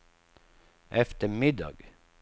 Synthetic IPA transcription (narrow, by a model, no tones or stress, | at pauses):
ʔɛft̪əmɪd̪ɑ̰ɡ